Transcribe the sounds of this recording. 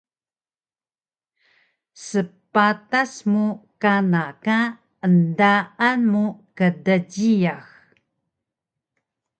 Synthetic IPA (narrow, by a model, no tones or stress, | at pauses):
səpatasmukanaka | əndaʔanmukədəɟijax